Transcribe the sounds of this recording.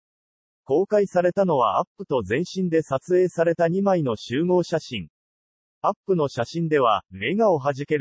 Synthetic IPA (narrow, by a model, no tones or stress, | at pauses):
ko̞ːkaisaɾe̞t̪ano̞β̞a̰ʔapːɯ̟t̪o̞zẽ̞ɰ̃ɕĩnd̪e̞sat͡sɨe̞ːsaɾe̞t̪aɲ̟imaino̞ɕɨːmo̞ːɕaɕĩŋ | apːɯ̟no̞ɕaɕĩnd̪e̞β̞a̰me̞ɡaoɦaʑike̞ɾɯ